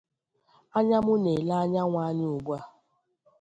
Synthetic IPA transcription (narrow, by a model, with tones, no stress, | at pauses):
a˦ɲa˦mʊ˦ne˨la˦a˦ɲa˦ŋʷa˦ɲɪ˦ʊ˨ɡʷa˦˨